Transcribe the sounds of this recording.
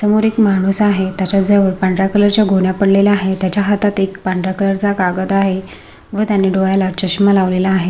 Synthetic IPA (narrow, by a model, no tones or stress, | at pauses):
səmoɾekmaɽ̃uːsaɦet̪jat͡ɕjad͡zəʋəɽpaɳɖɾakələɾt͡ɕjaɡʱoɳjapəɽlelaaɦet̪jat͡ɕjaɦat̪at̪ekpaɳɖɾakələɾt͡sakaɡət̪aɦe | ʋət̪janːiɖoɭajlat͡ɕəɕməlaʋlelaːɦe